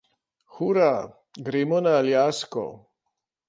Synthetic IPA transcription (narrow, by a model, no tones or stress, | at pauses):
xuɾa | ɡɾeːmɔnaːljaskɔ̰